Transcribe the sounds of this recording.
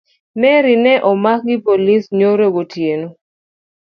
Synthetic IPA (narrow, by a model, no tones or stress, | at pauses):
mɛɾinɛʔɔmak̚ɡɪpolisɲoɾoɡotjeno